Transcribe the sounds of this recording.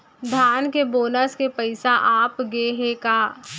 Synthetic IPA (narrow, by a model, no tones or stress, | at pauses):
d̪ʱjaːnkeboːnəskepəɪsaʔaːpɡeɦekaː